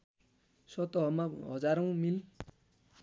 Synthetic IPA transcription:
sʌt̪ʌɦʌmaɦʌd͡zaɾʌ̃w̃mil

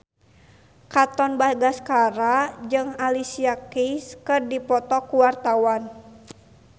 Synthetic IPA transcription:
kat̪ɔnbaɡaskaɾad͡ʒɨŋalisiakiskɨrdipɔt̪ɔkuwart̪awan

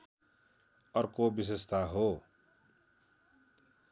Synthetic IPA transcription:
ʌrkobis̬est̪ʰaɦo

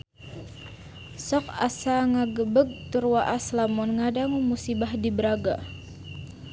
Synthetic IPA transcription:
sɔka̰saŋaɡəbəɡ̚t̪urwaʔaslamɔnŋadaŋumusibahdibəɾaɡa

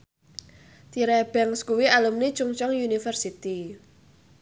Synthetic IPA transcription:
t̪iɾɛb̥ɛŋskuwialumni̥t͡ʃuŋt͡ʃɔŋjunifərsit̪i

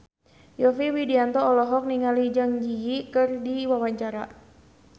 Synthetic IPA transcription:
jɔfiwidiant̪ɔːlɔɦɔk̚niŋalid͡ʒaŋd͡ʒijikɨrdiwawaɲt͡ʃaɾa

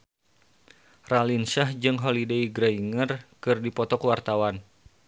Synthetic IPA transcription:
ralinsahd͡ʒɨŋɦolideiɡɾaiŋərkɨrdipɔt̪ɔkwart̪awan

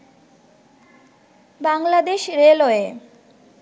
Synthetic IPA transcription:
baŋlad̪eʃɾeloe

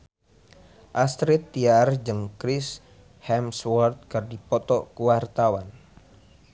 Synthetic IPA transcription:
ʔast̪ɾit̪ːiard͡ʒɨŋkɾis | hɛmswɔrt̪̚kərdipɔt̪ɔkuwart̪awan

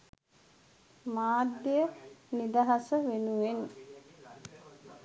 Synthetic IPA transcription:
maːd̪ːjejənid̪aɦasəʋenuʋen

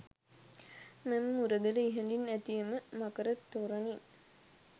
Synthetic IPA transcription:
mɛmːuɾəd̪ələiɦənd̪inːæt̪ijəməmakəɾət̪ːoːɾanin

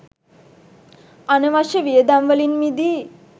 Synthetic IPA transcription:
anəʋaʃəʋijəd̪amʋəlinmid̪i

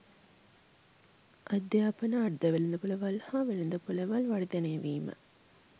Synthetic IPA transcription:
ʔɐd̪jaːpənəːɖd̪ɐʋelind̪əpuləʋɐlhaːʋelend̪əpulɐʋɐlʋɐɽid̪eneɐʋiːmə̰

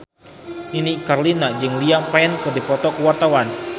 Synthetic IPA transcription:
inikarlinad͡ʒɨŋliaŋpaɛnkədipɔt̪ɔkəwart̪awan

